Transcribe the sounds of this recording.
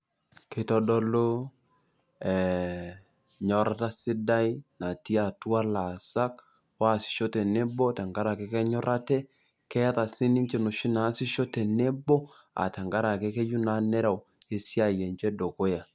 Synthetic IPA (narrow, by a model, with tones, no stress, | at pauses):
kɪ˨tɔ˦dɔ˦lo˦ | ɛ˨ | ɲɔ˨ɾa˦ta˦sɪ˦da˦i˦na˨ti˦a˨tu˦a˦la˨sa˦k̚ | wa˦˨sɪ̥˨ʃo˦tɛ˨ne˦bɔ˦ta˨ŋɡa˦ɾa˨ke˦kɛ˦ɲɔ˦ɾʔa˦tɛ˦ | kɛ˦ja˦ta˨si˦ni˦ɲt͡ʃe˨nu˨ʃi˦na˨˦sɪ˦ʃo˦tɛ˨ne˦bɔ˦ | a̰˨ta˨ŋɡa˦ɾa˨ke˦ke˦ju˦na˨˦nɛ˦ɾa˨w | e˨si˦a˨je˨nt͡ʃɛ˦do˨ko˦ja˨